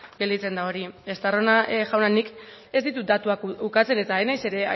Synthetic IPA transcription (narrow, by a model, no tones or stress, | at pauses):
ɡe̞ld̪it͡se̞nd̪ao̞ɾiest̪aro̞naʝawnanik | e̞zd̪it̪ud̪at̪uakukat͡se̞ne̞t̪aenajse̞ɾe̞a